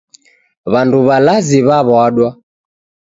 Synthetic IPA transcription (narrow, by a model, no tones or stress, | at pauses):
βanduβalaziβaβɔaɗwa